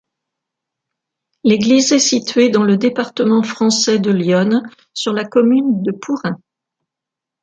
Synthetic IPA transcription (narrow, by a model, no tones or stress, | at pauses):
leɡlizɛsit̪ɥed̪ɑ̃ləd̪epaʁt̪əmɑ̃fχɑ̃sɛd̪əljɔn | syʁlakɔmynd̪əpʰuʁɛ̃